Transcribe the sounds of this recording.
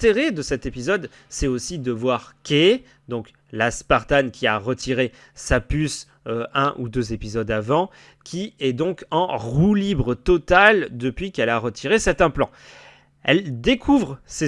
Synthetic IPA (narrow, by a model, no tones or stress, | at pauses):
t̪eʁed̪əsɛt̪epizɔd̪ | sɛosid̪əvwaʁkʲe | d̪ɔ̃k | laspaʁt̪ankʲiaʁət̪ʰiʁe | sapys | øɛ̃ʔud̪øzepizɔd̪avɑ̃ | kʲʰiɛd̪ɔ̃kɑ̃ʁulibʁət̪ɔt̪ald̪əpɥikɛlaʁət̪ʰiʁesɛʁt̪ɛ̃plɑ̰̃ | ɛld̪ekʰuvʁse